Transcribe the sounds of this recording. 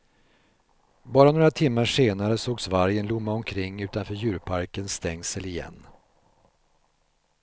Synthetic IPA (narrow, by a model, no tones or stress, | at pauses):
bɑːɾanoːɾat̪ʰɪmːaʂeːnaɾəsoːɡsvaɾjənlʊmːaɔmkʰɾɪŋːʉ̟ːt̪anfœːɾjʉ̟ːɾpʰaɾkənst̪ɛŋːsɛlɪjɛ̰nː